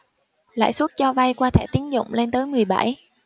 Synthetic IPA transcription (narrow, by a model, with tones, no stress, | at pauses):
la̰ː˧˨jsu˦˥t̚t͡ɕɔ˧va˧jkwaː˧t̪ʰɛ̰˧˩t̪i˨˦ənzʊ̰˧˨ŋ͡mle˧nt̪əː˨˦jmɨ˨˩əjɓa̰˧˩j